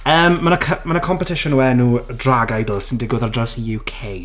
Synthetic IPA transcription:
əːmːanakʰəmanakʰɔmpətʰɪʃʊnuwɛnuːdraɡajdəlˠsɪndɪɡwɪðardrɔwsijuːkʰej

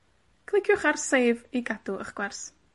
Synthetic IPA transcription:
kʰlˠɪkʰjʊχarsejviɡad̥uəχɡ̥wɛrs

